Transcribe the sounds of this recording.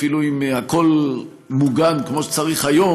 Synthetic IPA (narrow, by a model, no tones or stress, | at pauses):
filuimhako̞l | muɡankmoʃe̥t͡saʁiχhajo̞